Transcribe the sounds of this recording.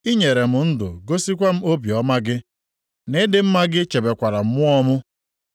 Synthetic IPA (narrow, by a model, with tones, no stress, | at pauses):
i˦ɲe˨ɾe˨mʊ˨n̩˦dʊ̰˨ɡo˦si˦kʷa˦m̩˦o˦bi˨ɔ˨˦ma˦ɡɪ˦ | ne˦dɪ˦m̩˦ma˦ɡɪ˦t͡ʃe˨be˨kʷa˨ɾa˨m̩˦mʊ˦ɔ˦mʊ˦